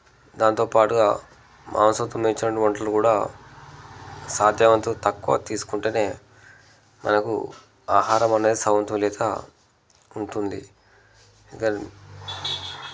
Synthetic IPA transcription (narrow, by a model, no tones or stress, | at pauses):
d̪aːnt̪o̞ːpaːʈuɡaː | mʔa̰ːnsɐt̪ːɐmɐt͡ʃːinɐʈːiʋɐɳʈlɐlukuːɽaː | saːd̪ʱjɐʋɐnt̪ut̪ɐkːuʋa̰ːt̪iːsu̥kuɳʈeːne̞ː | mʔɐ̰nɐkṵ | aːɦaːɾɐmɐne̞ːd̪isɐʋɐnt̪umlɛːt̪a̰ | uɳʈund̪ḭ | kɐ